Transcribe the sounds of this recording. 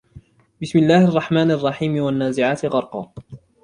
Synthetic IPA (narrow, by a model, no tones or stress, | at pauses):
bɪsmɪlːaːhʔɑrˤːɑħmaːnʔɑrˤːɑħiːmɪwanːaːzɪʕaːt̪ɪɣɑɾˤqɑ̰ː